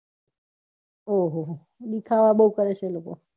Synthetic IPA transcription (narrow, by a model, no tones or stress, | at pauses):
oɦoɦ | ɗikʰaʋaɓəukəɾet͡ʃʰeloko̰